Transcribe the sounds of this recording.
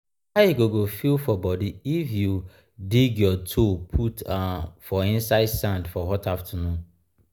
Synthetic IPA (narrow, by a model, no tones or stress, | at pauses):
aeɡoɡofilfɔbɔdiifju | diɡjɔtʰopʰutafɔĩnsaɪdsãndfɔhɔtaftʰanũn